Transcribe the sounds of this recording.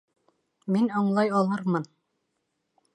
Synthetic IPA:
minɤɴlˠɑjɑlˠɤɾmɤn

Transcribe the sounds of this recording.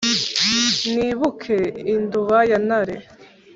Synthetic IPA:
niβukʰeinduβajanaɾe

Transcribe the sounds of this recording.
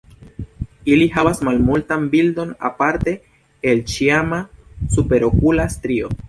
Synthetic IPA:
iliɦavasmalmultanbildo̞na̰paɾte̞ː | lt͡ʃiamasupe̞ɾo̞kulastɾio̞

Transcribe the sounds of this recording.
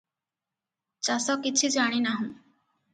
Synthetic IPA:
t͡ɕasɔkit͡ɕʰud͡ʑaɽ̃inaɦũ

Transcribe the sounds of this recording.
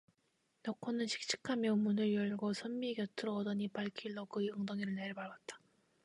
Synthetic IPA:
nʌkʰːʌnɯnɕʰi̥k̚t͡ɕ͈ʰi̥kʰamjʌumːunɯɭjʌɭɡosʰʌmːiɡjʌt͈ʰɯɾʌːdʌɲipaɭkʰiɭːʌɡɯjʌŋdʌŋiɾɯɭneɾɯbaɭwat̚t͈ḁ

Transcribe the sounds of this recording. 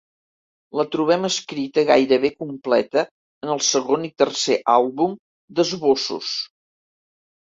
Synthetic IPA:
lət̪ɾuβ̞ɛməskɾit̪əɣa̰jɾəβekumplɛt̪əː | nəlˠsəɣonit̪ərseʔalˠβum | d̪əzβosṵs

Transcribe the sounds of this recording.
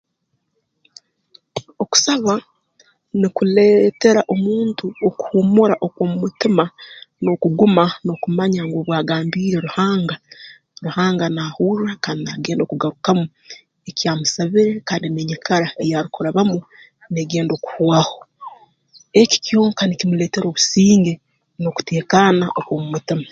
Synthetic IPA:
o̞ku̥saβa | nikule̞ːte̞ɾaʔo̞muːntuoku̥humuɾaʔo̞kwomumutimanokuɡumano̞kumaɲaŋɡoβwaːɡaːmbiːɾe̞ɾuhaːŋɡa | ɾuhaːŋɡanahuːɾɾakaːndinaɡe̞ːndo̞ːkuɡaɾukamu | ecjaːmusaβiɾe̞kaːndimeɲikʰaɾaejaɾikuɾaβamu | neɡeːndo̞ku̥hwaho̞ | e̞ki̥cjoːŋkanikimule̞ːte̞ɾo̞ːβu̥siːŋɡe̞ | no̞ku̥te̞ːkanaʔokwoːmumutima

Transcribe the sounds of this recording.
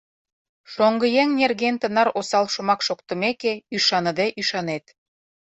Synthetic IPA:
ʃoŋɡəjeŋnerɣent̪ənɑɾosɑlʃə̆mɑkʃokt̪ə̆mekeyʃɑnəd̪eʔyʃɑnet̪

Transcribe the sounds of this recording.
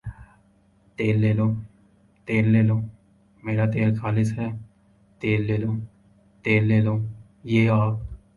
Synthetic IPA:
t̪eːlːeːlõː | t̪eːlːeːlõː | meːɾat̪eːlkʰaːlɪsɦɛː | t̪eːlːeːloː | t̪eːlːeːlõː | jeːaːp̚

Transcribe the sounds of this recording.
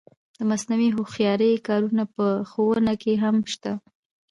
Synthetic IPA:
d̪əmasnawiɦoxjɑɾəjkɑɾunapəxowənakeɦamʃt̪a

